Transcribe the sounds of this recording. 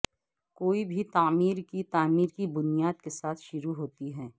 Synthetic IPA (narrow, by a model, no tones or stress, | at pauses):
koːibʱit̪aːmiːɾkit̪aːmiːɾkibʊnijaːd̪kesaːt̪ʰʃʊɾuɦoːt̪iɦɛː